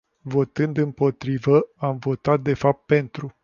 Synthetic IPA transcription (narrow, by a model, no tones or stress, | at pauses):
vo̞t̪ɨnd̪ɨmpo̞t̪ɾivəamvo̞t̪at̪̚d̪e̞fap̚t̪̚pe̞nt̪ɾu